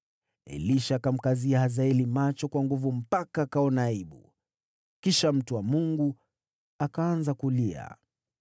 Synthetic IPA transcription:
ɛ̰liʃaːkam̩kaziahazaɛlimat͡ʃɔkwaŋɡuvum̩pakaːkaɔnaiɓṵ | kiʃam̩tuwamuŋɡu | akaanzakulia̰

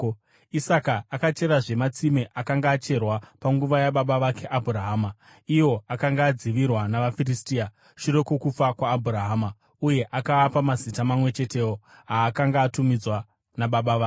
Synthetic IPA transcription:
isakaːkat͡ʃe̞ɾaʐe̞mat͡simeʔakaŋɡaːt͡ʃe̞rwapaŋɡuʋajaɓaɓaʋake̞ʔabʱuraɦaːma | ijo̞akaŋɡaːd͡ziʋirwanaʋafiristiːa | ʃuɾe̞ko̞kup͡fakwaːbʱuɾaɦaːma | uje̞ʔakaːpamazitamamwe̞t͡ʃe̞te̞wo | ɦaːkaŋɡaːtumid͡zwa | naɓaɓaʋaː

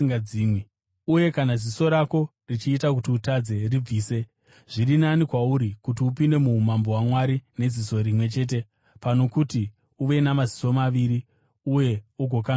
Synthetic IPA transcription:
ŋaiːmwi | uje̞kanaziso̞ɾako̞ | rit͡ʃiːtak̬utiutad͡ze̞rib͡viːse̞ | ʐ̥irinanikwauɾikutiupinde̞mumambo̞ɦwamwaɾine̞ziso̞ɾimwe̞t͡ʃe̞ːt̬e̞ | pano̞kuti | uʋe̞namaziso̞maʋiɾi | uje̞uɡʱo̞ka

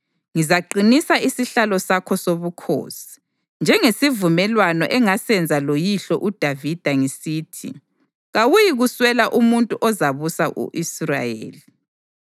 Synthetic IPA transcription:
ŋizaǃinisaʔisiɬalɔsakʰɔsoβukʰo̰ːsi̥ | nd͡ʒʱɛŋesivumɛlwanɔʔɛŋasɛnd͡zʱalojiɬɔʔud̥ʱavid̥ʱaŋisiːtʰḭ | ɣawujiɣuswɛlaʔumuntʼuʔɔzaβusaʔṵʔisra̰jḛːli

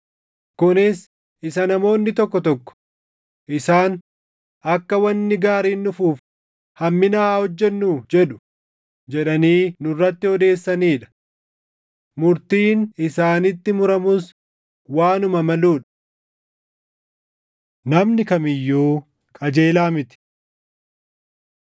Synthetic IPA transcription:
kʊnɪs | ɪsɐnɐmo̞ːnːɪt̪ɔkːɔt̪ɔkːɔ̥ | ʔɪsaːn | ɐkːɐwɐnːɪɡaːɾiːnːʊfuːf | hɐmːɪnaːhɔd͡ʒːɛnːuːd͡ʒɛᶑʊ̥ | d͡ʒɛᶑɐniːnʊrːɐt̪ːɪhɔd̪e̞ːsːɐniːᶑɐ̥ | mʊɾt̪iːnɪsaːnɪt̪ːɪmʊɾɐmʊs | waːnʊmɐmɐluːᶑɐ | nɐmnɪkɐmɪjːoː | kʼɐd͡ʒe̞ːlaːmɪt̪ɪ̥

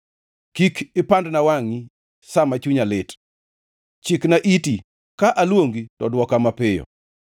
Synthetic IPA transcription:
kikɪpandnawaŋi | samat͡ʃuɲalɪt | t͡ʃɪknaʔiti | kaʔalwoŋɡitɔdwɔkamapɪjɔ̰

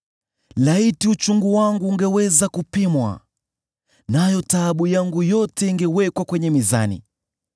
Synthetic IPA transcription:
laitiut͡ʃuŋɡuwaŋɡuːŋɡɛwɛzakupimwa̰ | najɔtaɓujaŋɡujɔtɛiŋɡɛwɛkwakwɛɲɛmiza̰nḭ

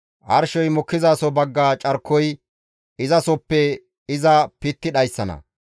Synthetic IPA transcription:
ʔɐ̰ɾʃɔjmɔkːɪzaːsɔbɐɡːaːt͡ʃʼɐɾkʰːɔj | ɪzɐsɔpːɛ | ɪzɐpɪt̪ːɪɗɐjsːɐnɐ̰

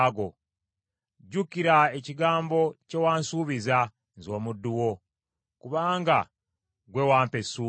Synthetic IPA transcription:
ɡo̞ | ɟukiɾaeciɡaːmbo̞ce̞waːnsuːβiza | nzo̞ːmudːuwo̞ | kuβaːŋɡa | ɡwe̞waːmpe̞su

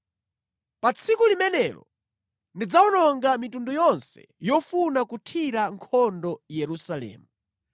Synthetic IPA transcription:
pat͡sʰikulimɛnɛlɔ̰ | ndid͡zawɔnɔŋɡamitundujɔnsɛ̰ | jɔfunakutʰiɾaŋkʰɔndɔjɛɾusalɛ̰ːmu

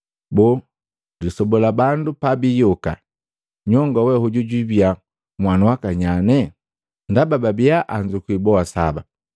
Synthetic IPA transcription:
bɔ | disɔbɔlabandupabijɔka̰ | ɲɔŋɡawɛhuɟuɟwibja | mwanawakaɲanɛ | ndabababiaʔaɲd͡ʒukwibɔasa̰ba

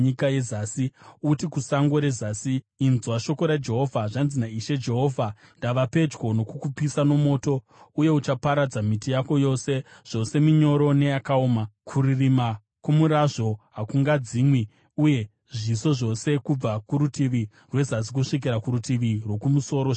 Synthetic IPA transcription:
ikajezasiutikusaŋɡo̞ɾe̞zasiː | nzwaʃo̞ko̞ɾad͡ʒe̞ɦo̞vʱaʐanzinaiʃe̞d͡ʒe̞ɦo̞ːvʱa | ndaʋape̞d͡ʒɡo̞no̞kukupisano̞mo̞ːto̞ | uje̞ut͡ʃapaɾad͡zamitijako̞jo̞se̞ʐ̥o̞se̞miɲo̞ɾo̞ne̞jakaoːmakʰuririma | kumuɾaʐo̞ɦakuŋɡad͡ziːmwi | uje̞ | ʐiso̞ʐo̞se̞kub͡vakuɾutiʋi | rwe̞zas̬ik̬uʂik̬iɾakuɾutiʋirwo̞kumuso̞ːɾo

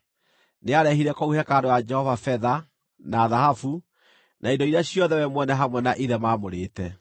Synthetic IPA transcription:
neaɾɛhiɾɛkɔuhɛkaɾewad͡ʒɛhɔvafɛða | naːðahafu | naindɔiɾeaɕjɔðɛwɛmwɛnɛɦamwɛnaʔiðɛmaːmoɾeːtɛ

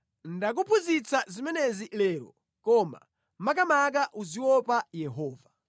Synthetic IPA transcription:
ndak̬upuzit͡sazimɛnɛzilɛːɾɔ̰ | kɔma̰ | mak̬amak̬aʔuziwɔpajɛɦɔːva

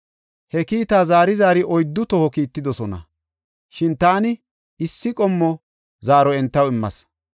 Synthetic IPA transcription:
hɛkiːt̪aːzaːɾɪzaːɾɪʔɔjd̪ːʊt̪ɔhɔkiːt̪ːɪd̪ɔsɔnɐ̰ | ʃɪnt̪aːnɪ | ɪsːɪkʼɔmːɔ | zaːɾɔɛnt̪ːɐwɪmːɐ̰s

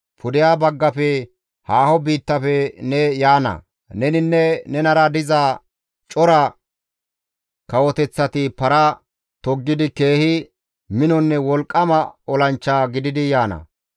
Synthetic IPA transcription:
pʰʊd̪ɪjaːbɐɡːɐfɛ | haːhɔbiːt̪ːɐfɛnɛjaːnɐ̰ | nɛnɪnːɛnɛnɐɾɐd̪ɪzaː | t͡ʃʼɔɾɐ | kɐwɔt̪ɛt͡sːɐt̪ɪpɐɾɐ | t̪ɔɡːɪd̪ɪke̞ːhɪ | mɪnɔnːɛwɔlkʼːɐmɐɔlɐnt͡ʃːaːɡɪd̪ɪd̪ɪjaːnɐ̰

